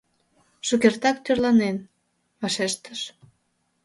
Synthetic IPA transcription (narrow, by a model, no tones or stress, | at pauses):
ʃukert̪ɑkt̪ørlɑnen | βɑʃeʃt̪ə̥ʃ